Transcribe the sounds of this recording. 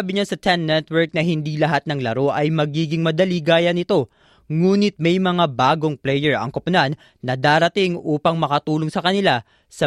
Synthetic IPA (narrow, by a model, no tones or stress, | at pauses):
abɪɲasɐt̪ʰɛnːɛt̪wɛɹk̚nɐɦɪnd̪ilɐɦat̪̚nɐŋlɐɾo̞ʔɐjmɐɡiːɡɪŋmɐd̪ɐliɡaːjɐnɪt̪o̞ | ŋuːnɪt̪̚mɛjmɐŋabaːɡo̞ŋplɛjɛɹɐ̰ŋkɐpʊnanː | ɐd̪aːɾɐt̪ɪŋʔuːpɐŋmɐkɐt̪uːlo̞ŋsɐkɐnɪla | sɐ